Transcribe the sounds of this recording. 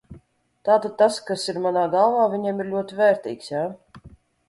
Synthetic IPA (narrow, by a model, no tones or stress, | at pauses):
t̪aːt̪ad̪̚t̪askasiɾmanaːɡalˠvaːvʲiɲɛmiɾlʲuɔt̪ivɛːɾt̪ḭːksjaː